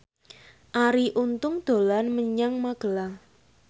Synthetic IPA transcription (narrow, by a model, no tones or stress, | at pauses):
ʔaɾiʔunt̪ʊŋd̪̥o̤lanməɲaŋmaɡ̥ə̤la